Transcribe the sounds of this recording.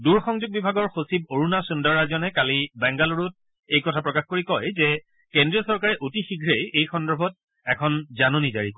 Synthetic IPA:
duɹxɔŋzʊɡ̚bibʱaɡɔɹxosiboɹunasundɔɹaɹzɔnɛkalibɛŋɡaloɹut̚ | ejkɔtʰapɹɔkaxkoɹikɔjzɛ | kendɹiɔsɔɹkaɹɛʔotixiɡʱɹejejxɔndɔɹbʱɔt̚ | ɛkʰɔnzanonizaɹik

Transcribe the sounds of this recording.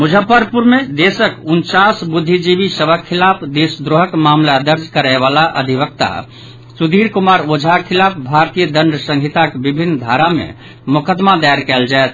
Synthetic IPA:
mud͡ʒʱəpəɾpuɾmed̪esəkunt͡ʃasbud̪ʱːid͡ʒibisəbʱəkʰːilapd̪esd̪ɾoɦəkmamlad̪əɾd͡ʒʱkəɾaɪβalaʔə̰d̪ʱibək̚t̪a̰ | sud̪iɾkumaɾod͡ʒʱakʰilap̚ʰbʱaɾt̪ijəd̪əɳɖəsə̃ŋɡʱit̪akebibʱinːd̪ʱaɾamḛ | mʊkəd̪mad̪aɾkɛld͡ʒaet̪ʰ

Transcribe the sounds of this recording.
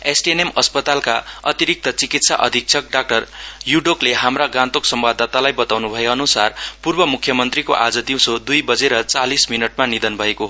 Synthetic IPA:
esʈienemʌspʌt̪alkaʌt̪iɾik̚t̪ʌt͡sikit̪saʔʌd̪ʱik̚t͡sʰʌk̚ɖak̚ʈʌrjuɖokleɦamraɡãt̪oksʌmbad̪ʱːat̪alajbʌt̪awnubʱʌeʌnusarpurbʌmukʰjʌmʌnt̪rikoʔad͡zʌd̪iw̃sod̪ujbʌd͡zeɾʌt͡salisminʌʈ̚manid̪ʌnbʱʌekoɦ

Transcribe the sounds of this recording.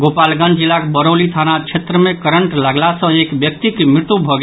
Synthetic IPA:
ɡopalɡə̃nd͡ʒilakbəɾolit̪ʰanat͡ʃʰet̪ɾəmekəɾəɳʈləɡlasə̃ekbjək̚t̪ikmiɾt̪ubʱɔɡe

